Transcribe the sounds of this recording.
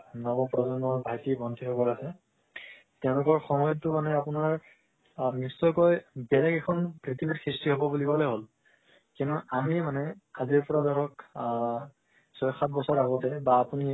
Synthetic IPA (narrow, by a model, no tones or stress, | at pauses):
nɔbɔpɹɔzɔnːɔɹbʱajtibɔntʰitʰɔbɔɹasɛ | tɛʊ̃lʊkɔɹxɔmɔjɔtːʊmanɛapunaɹ | misɔjkɔjbɛlakɛkʰɔnkɹitibʱitkʰɹistiɦobɔbulibɔlɔɦol | kĩntuamimanɛaziɹpɔɹadɔɹɔk | sɔjxat̚ʰbɔsaɹaɡɔtɛbaːpuni